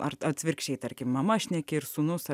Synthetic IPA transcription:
ɐɾɐt̪sʲʋʲɪɾʲkʃʲɛɪt̪ɐɾʲkʲɪmmɐmɐʃʲnʲɛkʲɪɪɾsunʊsɐ

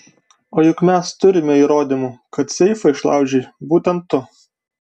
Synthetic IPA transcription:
oːjʊkmʲɛst̪ʊɾʲɪmʲɛiːɾoːd̪ʲɪmukɐt̪sʲɛɪfɐɪʃlˠɑ̰ʊd͡ʒʲɛːbuːt̪ʲɛnt̪ːʊ

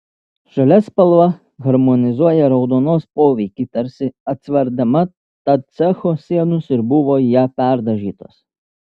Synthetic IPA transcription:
ʒɐlʲɛspɐlˠʋɐ | ɣɐɾmɔnʲɪzuɔjɛɾɐʊd̪ɔnɔspɔːʋʲikʲit̪ɐɾsʲɪɐt̪sʲʋʲɛɾd̪ɪmɐ | t̪ɐsɛxɔsʲiɛnʊsɪɾbuʋɔjapʲɛɾd̪ɐʒʲiːt̪ɔs

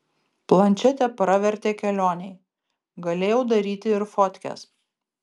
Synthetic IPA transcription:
plˠɐnʲt͡ʃʲɛt̪ʲɛpɾɑʋʲɛɾʲt̪ʲeːkʲɛlʲoːnʲɛɪ | ɡɐlʲeːjɛʊd̪ɐɾʲiːt̪ʲɪɪɾfɔt̪ʲkʲɛ̰s

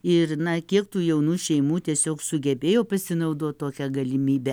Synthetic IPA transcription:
ɪɾnɐkʲiɛkt̪uːjɛʊnuːʃʲɛɪmuːt̪ʲiɛsʲoːksʊɡʲɛbʲeːjoːpɐsʲɪnɐʊd̪oːt̪toːkʲɛɡɐlʲɪmʲiːbʲɛ

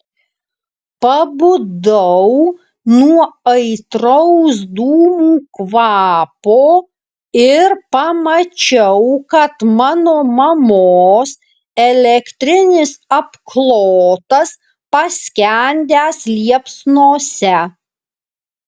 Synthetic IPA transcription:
pɐbʊd̪ɐʊ | nuɔɐɪt̪ɾɔʊs̬d̪uːmuːkʋɑːpoː | ɪɾpɐmɐt͡ʃʲɛʊkɐt̪mɑːnoːmɐmoːs | ɛlʲɛkt̪ʲɾʲɪnʲɪsɐpklˠoːt̪ɐs | pɐsʲkʲænʲd̪ʲæːslʲiɛpsnoːsʲɛ

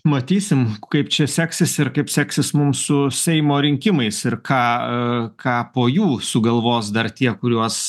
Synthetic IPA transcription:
mɐt̪ʲiːsʲɪmkɐɪpt͡ʃʲɛsʲæːksʲɪsɪɾkɐɪpsʲæːksʲɪsmʊmssʊsʲɛɪmoːɾʲɪŋʲkʲɪmɐɪsɪɾkɑːkʰɑːpoːjuːsʊɡɐlˠʋoːsd̪ɐrt̪ʲiɛkʊɾʲuɔs

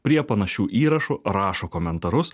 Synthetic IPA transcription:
pʲɾʲiɛpɐnɐʃʲuːʔiːɾɐʃʊɾɑːʃoːkoːmʲɛnt̪ɐɾʊs

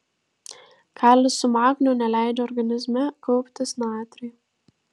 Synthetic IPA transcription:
kʰɑːlʲɪsʊmɑːknʲuːnʲɛlʲæˑɪd͡ʒʲɛɔɾɡɐnʲɪzʲmʲɛkʰɔʊpʲt̪ʲɪsnɑːt̪ʲɾʲiː

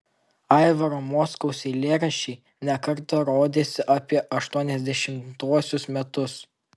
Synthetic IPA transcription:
ɑˑɪʋɐɾoːmɔskɐʊsʲɛɪlʲeːɾɐʃʲɛɪ | nʲɛkɐɾˑt̪ɐɾoːd̪ʲeːsʲɪʔɐpʲiɛʔɐʃt̪uɔnʲɛzʲd̪ʲɛʃʲɪmt̪uɔsʲʊsmʲɛt̪ʊs

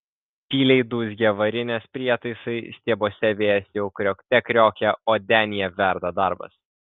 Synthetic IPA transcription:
pʲiːlʲɛɪd̪uːs̬ɡʲɛʋɐɾʲɪnʲeːspʲɾʲiɛt̪ɐɪsɐɪsʲt̪ʲiɛboːsʲɛʋʲeːjɛsjɛʊkɾʲoːkʲt̪ʲɛkɾʲoːkʲɛoːd̪ʲæːnʲɪjɛʋʲæɾd̪ɐd̪ɐɾbɐ̰s

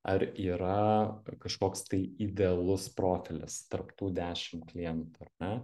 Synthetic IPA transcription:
ɐɾiːɾɐkɐʃkoːkst̪ɐɪɪd̪ʲɛɐlˠʊspɾoːfʲɪlʲɪ̰st̪ɐɾpt̪uːd̪ʲæːʃʲɪmklʲɪjɛnt̪uɐɾnʲɛ

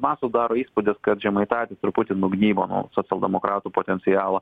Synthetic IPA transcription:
mɑsʊd̪ɑːɾoːiːspʊd̪ʲɪskɐt̪ʒʲɛmɐɪt̪ɑːt̪ʲɪsɪɾpʊt̪ʲɪnuːɡnʲiːboːnṵːsoːt̪ʲɛlˠd̪ʲɛmokɾɑːt̪uːpot̪ʲɛnʲt̪sʲɪjɑːlˠɐ

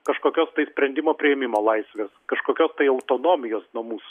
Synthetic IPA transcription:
kɐʃkoːkʲoːst̪ɐɪsʲpʲɾʲɛnʲd̪ʲɪmoːpʲɾʲɪɛmʲɪmoːlˠɐɪsʲʋʲeːskɐʃkoːkʲoːst̪ɐɪɐʊt̪oːnoːmʲɪjoːsnomuːs

